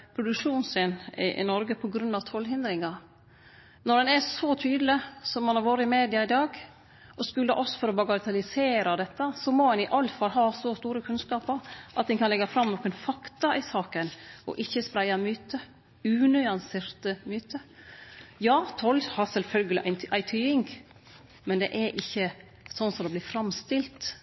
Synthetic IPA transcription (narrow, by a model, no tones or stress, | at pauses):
pʰɾʊd̪ʉkʂuːnseːnɪ̰ʔɪ̰nɔɾɡəpʰɔɡɾʉnɑʋt̪ʰɔlɦɪnd̪ɾɪŋɑ | nɔd̪ɛnæsɔt̪ʰyːd̪l̩ɪsɔmːɑnhɑɾʋoːɾəɪmeːd̪ɪɑɪd̪ɑːɡ | ɔskʉlːəɾʔɔsfɔɾɔbɑɡɑɾt̪ʰɑlɪseːɾɑd̪ɛt̪ːəsɔmoɛnɪʔɑlt̪fɑɾɦɑːsɔst̪uːɾəkʰʉnskɑːpɑɾʔɑ̰t̪̚d̪ɛnkʰɑnlɛɡːɑfɾɑmnɔkːənfɑkt̪ɑʔɪsɑːkənɔ̰ʔɪçːəspɾæɪɑmyːt̪ə | ʉːnʏɑnsɪːɾt̪əmyːt̪ə | jɑːt̪ʰɔlhɑɾsɛlfœlɡəlɪ̰ʔæɪʔæɪt̪ʰyːɪŋɡ | mɛnd̪ɛ̰ʔɛɾʔɪçːə | sɔnːsɔd̪ɛblɪːfɾɑmst̪ɪlt̪